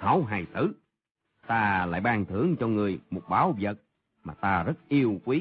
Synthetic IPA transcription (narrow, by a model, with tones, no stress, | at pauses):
hə˨˩˦wɦaː˨˩jt̪ɨ˨˦ | t̪aː˧la̰ː˧˨jɓaː˧ŋt̪ʰɨ˧˩əŋt͡ɕɔ˧ŋɨ˨˩əjmo˨˩t̚ɓaː˨˦wvjə̰˨˩t̚ | maː˨˩t̪aː˧zə˦˥t̚ʔi˧əwkwi˨˦